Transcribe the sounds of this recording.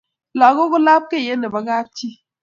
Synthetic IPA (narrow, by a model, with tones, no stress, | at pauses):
la˨ɡo˦ɡo˦la˦p̚ke˦˨je˦ne˨ba˦ɡa˦ti˦